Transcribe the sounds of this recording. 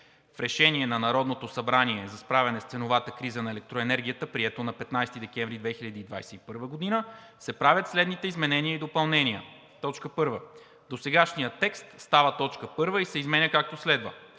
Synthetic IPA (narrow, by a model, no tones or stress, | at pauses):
fɾɛʃɛniɛnɐnɐɾɔd̪not̪osɐbɾaniɛzɐspɾavʲɛnɛst̪sɛnovat̪əkɾizənɐɛlɛk̚t̪ɾoɛnɛɾɡʲijət̪əpɾiɛt̪onɐpɛt̪najst̪id̪ɛkɛ̃ɱvɾid̪vɛxilʎʲɐd̪iːd̪va̰jsɛipɤɾvəɡod̪inə | sɛpɾavʲjət̪slɛd̪nit̪ɛizmɛnɛniəid̪opɐlˠnɛnʲiə̰ | t̪ɔt͡ʃkəpɤɾvə | d̪osɛɡaʃnijət̪ɛkst̪st̪avət̪ɔt͡ʃkəpɤɾvəisɛizmɛnʲəkak̚t̪oslɛd̪və̰